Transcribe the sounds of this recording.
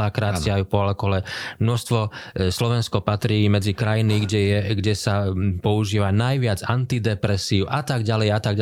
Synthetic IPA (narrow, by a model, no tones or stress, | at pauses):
akɾaːɪajupɔalɔkɔlɛmnɔst̪ʋɔslɔʋɛnskɔpat̪ɾiːmɛd͡zikɾajiniɡɟɛjɛɡɟɛsapɔuʒiːʋanajʋɪad͡zant̪id̪ɛpɾɛsiːuʔat̪aɡɟalɛjat̪aɡɟ